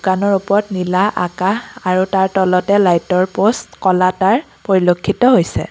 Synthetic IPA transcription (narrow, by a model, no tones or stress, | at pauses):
dukanɔɹupɔɹtnilaʔakaaɹutaɹtɔlɔtɛlajtɔɹpostkɔlataɹ | poɹilokʰːitɔɦojsɛ̰